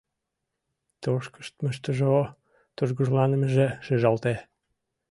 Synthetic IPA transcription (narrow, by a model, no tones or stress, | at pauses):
t̪oʃkə̥ʃt̪məʃt̪əʒo | t̪uʒɣuʒlɑnə̆məʒeʃə̆ʒɑlt̪e